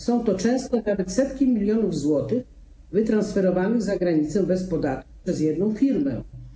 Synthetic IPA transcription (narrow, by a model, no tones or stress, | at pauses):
sɔ̃w̃t̪ɔt͡ʂɛ̃w̃st̪ɔnavɛt̪sɛt̪kʲimʲilʲjɔnuvzwɔt̪ɘx | vɘt̪ɾãnsfɛɾɔvanɘzaɡɾaɲit̪sɛbɛspɔd̪at̪ku̥pʂɛzjɛd̪̚nɔ̃w̃fʲiɾmɛ̰